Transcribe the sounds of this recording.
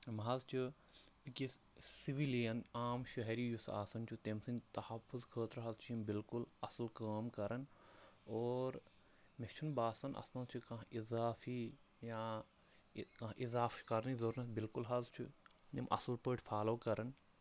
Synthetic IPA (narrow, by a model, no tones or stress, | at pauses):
mɦɐzt͡ʃʰu | kisiʋilijɐnaːmʃɐɦeɾiːjusa̰ːsɐnt͡ʃʰut̪emsint̪ɐhɐfːʊzkʰəːt̪ɾɦɐzt͡ʃʰimbɪlkʊlɐsɐlkaːmkɐɾɐnoːɾ | met͡ʃʰunbaːsɐnʔɐ̰smɐzt͡ʃʰukɐ̃ɦʔizaːfʰi | jãː | kɐʔizaːfkɐɾnizoɾnɐsbɪlkulɦɐzt͡ʃʰṵnimʔɐ̰sɐlpəːʈfʰaːloːkɐɾɐn